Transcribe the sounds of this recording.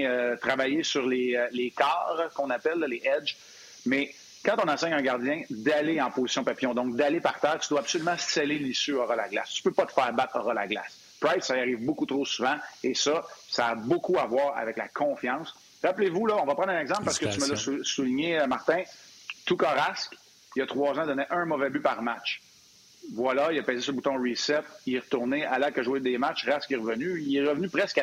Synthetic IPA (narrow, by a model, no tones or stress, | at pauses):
øt̪ʁavajesyʁlelekɑːʁkɔ̃napɛlːɔleʔɛd͡ʒ | mɛ | kɑ̃t̪ɔ̃nɑ̃ːsɛɲɛ̃ɡaʁdd͡zjɛ̃d̪aleɑ̃pozi̥sjɔ̃papijɔ̃d̪ɔ̃k̚d̪alepaʁt̪ɛːʁt̪yd̪waːbsolymɑ̃stɛlelisyɔʁɑla̰ɡla̰st̪y̥pøpʌt̪ə̥fɛːʁbat̪ɔʁɑla̰ɡla̰s | pʁajd̪saaʁiːvbokut̪ʁosuvɑ̃esʌsaːbʊkuavwɑːʁa̰vɛkla̰kʰɔ̃fjɑ̃ŋs | ʁaplevulʌɔ̃vɑpʁɑ̃d̪ɛ̃nɛɡzɑ̃plpaʁsə̥kəyməlɔsusuliɲemaʁt̪ɛ̃ | t̪ukɑʁask | ilət̪χʁwɑːzãd̪ɔneʔœ̃mɔvɛbypaʁmat͡ʃ | vwalailapɛːzesɔ̃but̪ɔ̃ʁisɛt̪̚iʁət̪uʁnealakəʒwed̪emat͡ʃʁaskɛʁəvənyilɛʁəvnypʁɛska